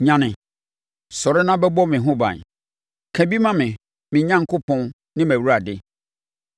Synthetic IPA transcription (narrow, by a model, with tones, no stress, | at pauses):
ɲã˨nɪ̃˨ | sɔ˨ɾɪ˦nã˦bɛ˦bɔ˦mɪ̃˨ɦʊ̃˦bã̰˨n | kʰæ̃˨bi˦mã˦mɪ̃˨ | mɪ̃˨ɲã˦ŋ˦kʰʊ˦pʰɔ̃˦n | nɪ̃˦mæ˨wu˦ɾa˨dɪ˦